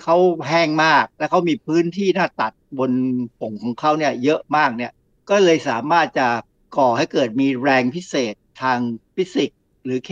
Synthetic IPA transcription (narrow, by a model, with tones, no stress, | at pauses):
kʰa˦˥wɦɛː˥˩ŋmaː˥˩k̚lɛ˦˥wkʰa˦˥wmiː˧pʰɯː˦˥nt̪ʰiː˥˩naː˥˩t̪a˨˩t̪̚bo˧npʰo˩˦ŋkʰɔː˩˦ŋkʰa˦˥wni˥˩ɐjɤ˦˥ʔmaː˥˩k̚ni˥˩ɐ | kɔː˥˩lɤː˧jsaː˩˦maː˥˩t̪̚t͡ɕa˨˩ | kɔː˨˩ha˥˩jkɤː˨˩t̪̚miː˧ɾɛː˧ŋpʰi˦˥seː˨˩t̪ʰːaː˧ŋfʰi˦˥si˨˩k̚ | ɾɯː˩˦kʰ